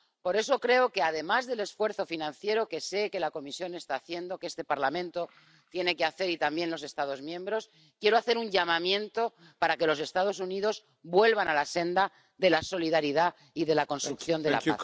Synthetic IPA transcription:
po̞ɾe̞so̞kɾe̞o̞ke̞aðe̞mazðe̞le̞sfwe̞ɾθo̞finãnθje̞ɾo̞ke̞se̞ke̞lako̞misjo̞ne̞st̪aːθje̞nd̪o̞kest̪e̞paɾlamẽnt̪o̞ | t̪je̞ne̞keaθe̞ɾit̪ambje̞nlo̞s̬e̞st̪að̞o̞zmjẽ̞mbɾo̞s | kje̞ɾo̞aθe̞ɾuɲʝamãmjẽ̞nt̪o̞ | paɾake̞lo̞se̞st̪að̞os̬uniðo̞z | bwe̞lβ̞analase̞nd̪a | ðe̞laso̞liðaɾiða | iðe̞lako̞nst̪ɾukθjo̞nd̪ela̰a̰

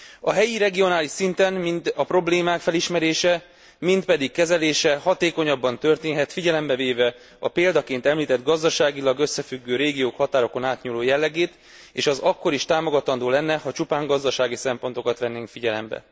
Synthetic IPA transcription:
ɒɦɛjiɾɛɡio̞naːliʃsint̪ɛnmint̪ɒpɾo̞bleːmaːkfɛliʃmɛɾeːʃɛ | mint̪̚pɛd̪ikːɛzɛleːʃɛhɒt̪eːko̞ɲɒbːɒnt̪ø̞rt̪eːnɦɛt̪fiɟɛlɛmbɛveːvɛ | ɒpeːld̪ɒkeːnt̪ɛmliːt̪ɛd̪ɡɒzd̪ɒʃaːɡilɒɡøsːɛfyɡːøːɾeːɡijoːkhɒt̪aːɾo̞ko̞naːt̪ɲuːloːjɛlːɛɡeːt̪ | eːʃɛzɒkːo̞ɾiʃt̪aːmo̞ɡɒt̪ɒnd̪oːlɛnːɛhɒt͡ʃupaːŋɡɒzd̪ɒʃaːɡisɛmpo̞nt̪o̞kɒt̪ʋɛnːeːŋkfiɟɛlɛ̰mbɛ̰

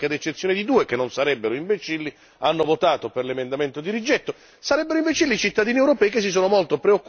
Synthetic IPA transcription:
kead̪et͡ʃːet̪sjonid̪id̪uːekenːonsaɾɛbːeɾoiɱbet͡ʃilːi | anːovot̪aːt̪operlemend̪ament̪od̪iɾid͡ʒɛt̪ːo | saɾɛbːeɾoiɱvet͡ʃilːit͡ʃit̪ːad̪iːniewɾopɛːikes̬ːis̬oːnomolt̪opɾeokː

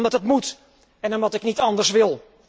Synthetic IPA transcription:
mdɔtətmut | ɛnɔmʋɔtɪknitɑndərsʋɪlˠ

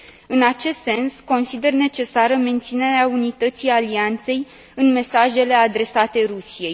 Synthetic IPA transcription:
ɨnat͡ʃe̞st̪se̞nsko̞nsid̪e̞rne̞t͡ʃe̞saɾəme̞nt̪sine̞ɾeaunit̪ət̪sialiant̪se̞j | ɨnme̞saʒe̞le̞ad̪ɾe̞sat̪e̞ɾusije̞j

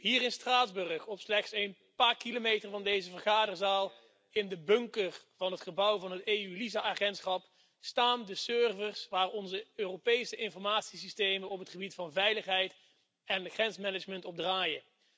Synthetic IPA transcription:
ɦiːrɪnstraːdzbɵrəχɔpslɛχtsejn | paːɹkilomejtərvɑndejzəvərχaːdərzaːlˠ | ɪndəbɵŋkər | vɑnɦətχəbʌwvɑnɦətejylizaʔaχɛntsχɑp | staːndəsørvərsʋaːrɔnzəøːropejsəʔɪnfɔɹmaːtsis̬istejmənɔpətχəbitfɑnvɛjləχɦɛjt | ɛnχrɛnsmɛnəd͡ʒməntɔb̚draːjə

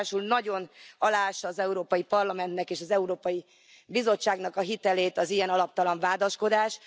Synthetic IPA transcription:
ʃulnɒɟo̞nɒlaːʃɒːzɛuɾoːpɒjipɒrlɒmɛnt̪nɛkeːʃɒzɛuɾoːpɒji | bizo̞t͡ʃːaːɡnɒkɒɦit̪ɛleːt̪ɒzijɛnɒlɒp̚t̪ɒlɒɱvaːd̪ɒʃko̞d̪aːʃ

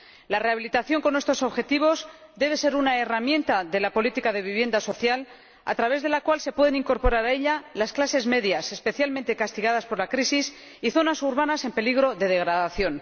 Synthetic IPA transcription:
lare̞aβ̞ilit̪aθjo̞ŋko̞ne̞st̪o̞so̞βxe̞t̪iβ̞o̞z | d̪e̞β̞e̞se̞ɾunae̞ramjẽ̞nt̪aðe̞lapolit̪ikaðe̞βiβje̞nd̪aso̞θjal | a̰t̪ɾaβe̞zðe̞lakwalse̞pweðenĩŋko̞ɾpo̞ɾaɾae̞ʎalasklase̞zme̞ðjase̞spe̞θjalment̪e̞kast̪iɣaðaspo̞ɾlakɾisis | iθo̞nasuɾβanase̞mpe̞liɣɾo̞ðe̞ð̞e̞ɣɾaðaθjo̞n

